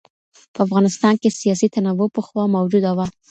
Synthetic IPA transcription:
pəafɣɑnɪst̪ɑnkesijɑsit̪anawopəxwɑmawd͡ʒud̪awa

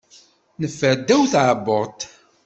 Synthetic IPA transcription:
nəfːəɾd̪ːæwθʕəbːʊʁt̪

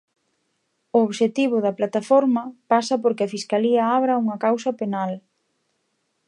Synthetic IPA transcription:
ʊoβʃet̪iβ̞ʊðɐplat̪afɔɾmɐpasɐpoɾkɪɐfiskaliɐaβɾɐuŋɐkawsɐpenal

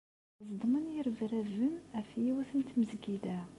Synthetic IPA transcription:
zˤd̪ˤmənjəɾvɾævəmæfjiwæθənt̪mzɡid̪æ

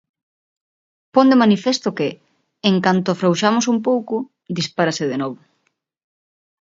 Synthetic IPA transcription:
pond̪emanifest̪ʊkɪː | ŋkant̪ʊafɾowʃamosumpowkʊ | d̪ispaɾaseðenɔβʊ

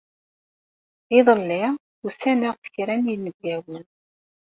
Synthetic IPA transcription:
ɪðˤəlːiʁ | usænəʁθə̥çɾænjilːəɡɡæwən

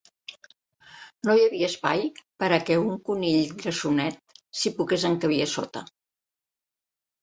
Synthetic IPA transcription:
nojəβiəːspajpəɾəkɛuŋkuniʎɡɾəsunɛt̪̚sipukezəŋkəβ̞iəso̰t̪ə̰

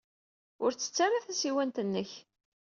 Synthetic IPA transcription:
ʊɾt͡sːə̥t͡sːarːaθæsiwænt̪ənːəç

